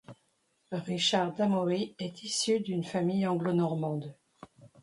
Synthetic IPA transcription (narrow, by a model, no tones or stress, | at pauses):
ʁiʃaʁd̪amɔʁiɛt̪ʰisyd̪ynfamijɑ̃ɡlonɔʁmɑ̃d̪